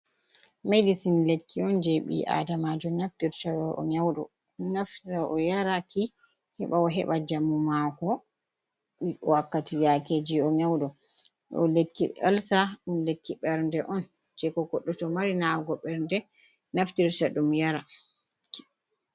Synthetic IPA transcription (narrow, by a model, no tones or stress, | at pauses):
mejdisinlekʰːiɔnd͡ʒɛɓḭʔa̰damad͡ʒɔnaftiɾtaɗɔʔɔ̰ɲawɗɔ̰ | ɗunaftiɾaʔɔjaɾaki | hɛɓaɔɦɛ̰ɓad͡ʒamːumakɔ | ɓiɔwakːatijaked͡ʒiɔɲawɗɔ | ɗɔ̰lekːialsaɗumlekːiɓɛɾndɛʔɔn | d͡ʒɛkɔɡɔɗːɔtɔmaɾinawɡɔɓɛɾndɛ | naftiɾtaɗumjaɾa